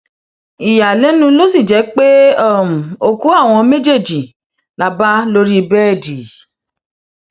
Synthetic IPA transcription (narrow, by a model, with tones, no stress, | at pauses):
i˨ja˨lɛ˨˦nũ˧lo˦si˦˨d͡ʒɛ˨˦k͡pe˦ɔ˦˨m̩̃˨o˧ku˨˦a˦˨w̃ɔ̃˧mẽ˦d͡ʒe˦˨d͡ʒi˨ | la˧ba˦lo˦ɾi˦˧bɛ˦˨di˨